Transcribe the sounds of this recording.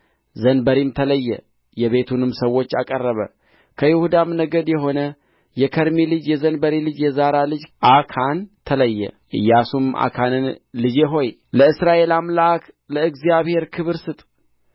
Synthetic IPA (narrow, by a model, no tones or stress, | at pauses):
zənbəɾimt̪ʰələjːɛ̰ | jɛβe̞t̪ʰunɨmsəwːo̞t͡ʃːakʼərːəβə̰ | kʰəjɪhud̪amnəɡəd̪jɛɦo̞nə | jɛkʰəɾmilɨd͡ʒjɛzənbəɾilɨd͡ʒjɛzaɾalɨd͡ʒʔakʰant̪ʰələjːɛ̰ʔɨ̰jːasuma̰kʰanɨnlɨd͡ʒeɦo̞j | ləɨsɾaʔe̞lamlaak | ləɨɡzijaβhe̞ɾkʰɨβɨɾsɨt̪ʼ